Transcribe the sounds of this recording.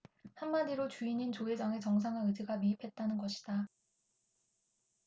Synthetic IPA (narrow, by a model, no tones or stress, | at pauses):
hamːadiɾot͡ɕuiɲint͡ɕoed͡ʑaŋet͡ɕʌŋsʰaŋaɯd͡ʑiɡamiipʰe̞t̚t͈anɯnɡʌɕʰi̥d̥a